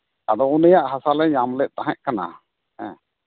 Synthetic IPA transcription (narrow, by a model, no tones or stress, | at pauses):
ad̪ɔunəjaʔɦasalɛɲamlɛʔt̪aɦɛ̃ʔkʰana̰ | ɛ̰̃